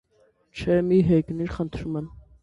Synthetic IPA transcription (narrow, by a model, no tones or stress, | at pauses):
t͡ʃʰɛmiɦɛjkniɾχənt̪ʰɾumɛn